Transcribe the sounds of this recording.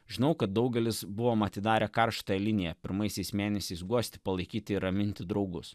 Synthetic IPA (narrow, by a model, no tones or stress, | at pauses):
ʒʲɪnɐʊkɐt̪̚d̪ɒʊɡʲɛlʲɪsbʊʋoːmɐt̪ʲɪd̪ɑːɾʲɛkɐɾʃt̪oːjɛlʲɪnʲɪjɛpʲɪɾmɐɪsʲɛɪsmʲeːnʲɛsʲɛɪsɡuɔsʲt̪ʲɪ̥pɐlˠɐɪkʲiːt̪ʲɪɪɾɐmʲɪnʲt̪ʲɪd̪ɾɒʊɡʊs